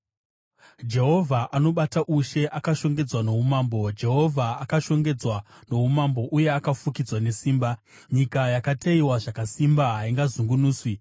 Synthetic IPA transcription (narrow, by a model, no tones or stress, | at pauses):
d͡ʒe̞ɦo̞vʱaʔano̞ɓataʔuʃe̞ʔakaʃo̞ŋɡe̞d͡zwano̞ɦumaːmbo̞d͡ʒe̞ɦo̞vʱaːkaʃo̞ŋɡe̞d͡zwano̞ɦumambo̞ʔuje̞akafukid͡zwane̞siːmba | ɲikajakateiwaʐakasimbaɦaiŋɡazuŋɡunuːswi